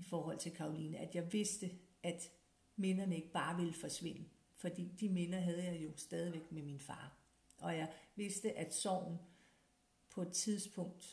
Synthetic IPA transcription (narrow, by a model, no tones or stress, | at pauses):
ifɒːɦɒ̽l̰t͡sʰe̝lkʰɑ̈ʊliːnəæd̥jɑ̈ɪʋe̝sd̥əʔæd̥ | menɐnəe̝ɡ̥əb̥ɑ̈ːʋeləfɒ̽sʋe̝n̰ə | fɒ̽d̥ḭːd̥imenɐɦæð̞ˠəjɑ̈ɪjo̝sd̥ɛːð̞ˠiʋeɡ̥meminfɑ̈ː | ʔɒ̽jɑ̈ɪʋe̝sd̥əʔæd̥sɒʊ̰n̩ | pʰɒ̽e̝d̥t͡sʰiðˠsb̥ʰɔ̽ŋ̰d̥